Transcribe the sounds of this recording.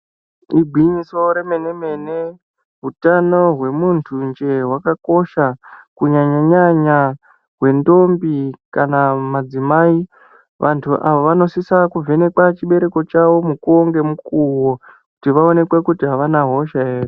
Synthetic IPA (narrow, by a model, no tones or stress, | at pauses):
ibʱwiɲiso̞ɾe̞mene̞me̞ne | ɦutano̞ɦwe̞muntʰund͡ʒe̞ɦwakako̞ʃakuɲaɲaɲaɲa | ɦwe̞ndo̞mbikanamad͡zimai | ʋʔantʰuʔaʋoʋano̞sisakuve̞ne̞kwat͡ʃiɓe̞ɾe̞ko̞t͡ʃaʋo̞mukuoŋɡe̞mukuwo̞kutiʋao̞ne̞kwekutiɦaʋanaɦo̞ʃaeːre